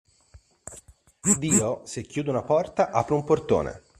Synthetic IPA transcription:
d̪iːosekːjuːd̪eunapɔrt̪aʔapɾeumport̪o̰ːnḛ

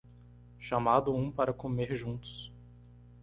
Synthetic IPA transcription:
ʃamad̪ʊũpaɾɐkomeɾʒũnt̪ʊ̥s

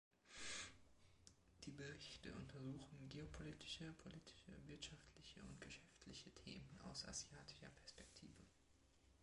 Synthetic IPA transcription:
d̥iːbəʁɪçtə̰ʔʊntʰɐzuːxn̩ɡeopʰoliːtʰɪ̥ʃəpʰoliːtʰɪ̥ʃə̰vɪɐtʃaftʰlɪçəʊ̰ntɡ̥əʃɛftʰlɪçətʰḛːməna̰ʊsʔa̰zjaːtʰɪ̥ʃɐpʰɛɐspɛk̚tʰiːvə

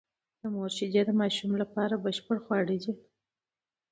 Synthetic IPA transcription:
d̪̥əmoɾʃid͡ʒed̪əmɑʃumlapɑɾabəʃpəɽxwɑɽid͡ʒi

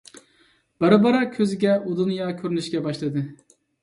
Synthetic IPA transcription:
b̥æɾɨbɑɾɑkʲʰøzɪɡʲɛud̪unjɑkʲʰøɾynyʃɡʲɛbɑʃlˠɨd̪ɨ

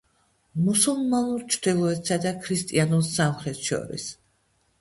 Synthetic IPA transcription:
musulˠmanuɾt͡ʃʰɾd̪ilˠɔɛt̪ʰsad̪akʰɾist̪ʼianulˠsamχɾɛt̪ʰʃɔ̰ɾḭs

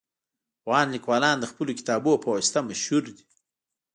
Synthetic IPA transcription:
wɑːnlikwɑːlɑːnd̪əxpəlokɪ̥t̪ɑːboːpʰowst̪amaʃhuɾd̪i

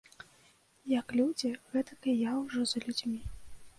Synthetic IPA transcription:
jɐklʲud͡zʲiɣɛt̪ɐkɐjawʐɔzlʲud͡zʲmʲi

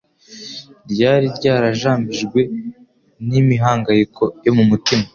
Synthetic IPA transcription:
ɾɟaːɾiɾɟaːɾaʒaːmbiʒɡwe̞ | nimiɦaːŋɡajikʰo̞jo̞mumutima

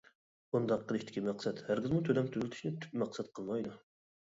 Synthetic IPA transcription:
und̪ɑqʰːəlˠɨʃt̪ɪ̥kʲimæqsɛt̪hæɾɡʲizmut̪ʰølɛmt̪ʰyzlʲt̪ʰyʃnɪt̪ʰy̥p̚mæqsɛt̪̚qʰəlˠmɑjd̪u

